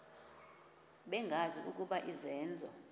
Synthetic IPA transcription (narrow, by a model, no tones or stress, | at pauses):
ɓɛŋɡʱaziṵk̬ʼuɓaʔizɛːnd͡zʱɔ